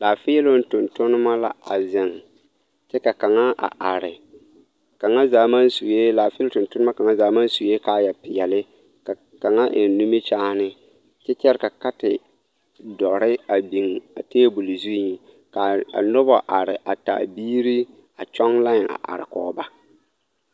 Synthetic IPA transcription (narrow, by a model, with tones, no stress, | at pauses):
laː˨fɪ˦lʊ˦n˦tʊ˨ntʊ˦nɪ˦ma˦la˦a̰˨zɪ˨ŋ | t͡ʃɛ˦ka˨ka˨ŋa˦ʔa̰˨ʔa˨ɾɪ˨ | ka˨ŋa˦zaː˨ma˦nsu˨˦e˦laː˨fɪ˦ltʊ˨ntʊ˦n˦ma˦ka˨ŋa˦zaː˨ma˦n˦su˨˦e˦kaː˨˦˨ja˨pɪ˨jɛ˨lɪ˦ | ka˨ | ka˨ŋa˦ʔɪ˨n˨nu˦mi˦t͡ʃaː˦nɪ˦ | t͡ʃɛ˦t͡ʃɛ˦ɾɪ˦ka˨ka˦tɪ˨ | dɔ˨ɾɪ˦a˨bi˨ŋa˨teː˦bu˨li˨zu˦i˨ | ka˨a̰˨nʊ˦ba˨ʔa˨ɾɪ˨ʔa˨ta̰˨biː˦ɾi˦ | a˨t͡ʃɔ˦ŋla˦ɪ˨a̰˨ʔa̰˨ɾɪ̰˨kɔː˨˦ba˦